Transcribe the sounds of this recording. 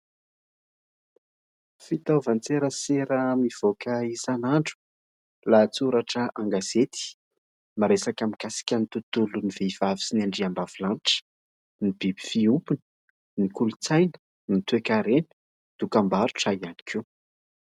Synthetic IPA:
fit̪avant͡seɾəseɾəmiv̥okaisanaɳɖ͡ʐu̥ | lat͡suɾaʈ͡ʂəaŋɡaz̥et̪i̥ | maɾesakamiɡ̥asi̥kʲənit̪ut̪uluniveiv̥avi̥sinaɳɖ͡ʐiambavilanʈ͡ʂə̥ | nib̥ibi̥fiupunə̥ | nikulut͡sajnə̥ | nit̪uekaɾenə̥ | d̪̥ukambaɾu̥ʈ͡ʂaiani̥kʰu

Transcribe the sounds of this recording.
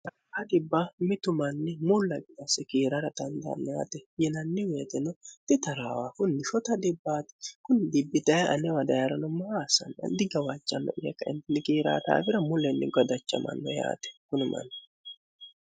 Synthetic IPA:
ɐ | ad̪ɪbːamɪt̪ʊmɐnːɪmʊlːɐɡɪd̪ɐsɛkiːɾaɾɐt̪ɐnd̪ɐ̰ːnːɔja̰ːt̪ɛjɛnɐnːɪweːt̪ɛnɔt̪ɪt̪ɐɾaːwaːkʊnːɪʃɔt̪ɐd̪ɪbːaːt̪ɪ̥kʊnːɪd̪ɪbːɪd̪ɐjaʔɐnɛwɐd̪ɐjaɾɐnɔmɐasɐ̰nɐ̰nd̪ɪɡɐwat͡ʃʼːɐnːɔ̰ʔɪjɛkːɐʔɪnt̪ɛnːɪkiːɾa̰ːt̪a̰ːbɪɾɐmʊlɛnːɪɡɔd̪ɐt͡ʃːɐ̰mɐ̰nːɔ̰ja̰ːt̪ɛ̥kʊnʊmɐ̰nː

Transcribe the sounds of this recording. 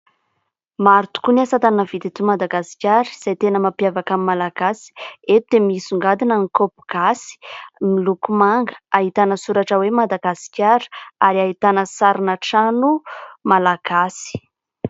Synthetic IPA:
maɾut̪u̥kuniasat̪annavit̪et̪umad̪aɡasi̥kʲaɾi̥z̥ajt̪enəmapjavakamimalaɡ̥asi̥et̪ud̪emisuŋɡad̪inaŋikopuɡ̥asi̥milukumaŋɡəaɦit̪anəsuɾaʈ͡ʂəwemad̪aɡasi̥kʲaɾə̥aɾiaɦit̪anəsaɾinaʈ͡ʂanumalaɡ̥asi̥

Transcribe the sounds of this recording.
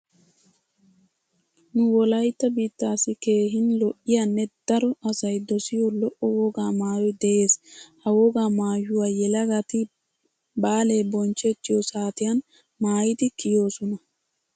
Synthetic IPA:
nʊwɔlɐjt̪ːɐbiːt̪ːaːsɪke̞ːɦɪnlɔʔːɪjanːɛd̪̥ɐɾɔɐsɐjd̪ɔsɪjɔlɔʔɔwɔɡaːmaːjɔjd̪ɛʔe̞ːshɐwɔɡaːmaːjʊwaːjɛlɐɡɐt̪ɪ | baːleːbɔnt͡ʃːɛt̪ːɪjɔsaːt̪ɪjɐn | maːjɪt̪ɪkɪjo̞ːsɔnɐ

